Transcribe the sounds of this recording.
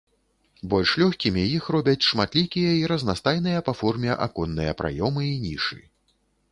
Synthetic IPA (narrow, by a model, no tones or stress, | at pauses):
bɔlʲʂlʲɔxʲkʲimʲijixrɔbʲɐt͡sʲʂmat̪lʲikʲijɐiɾɐznast̪ajnɨjɐpafɔrmʲɛʔa̰kɔnːɨjɐpɾa̰jɔmɨinʲiʂɨ̰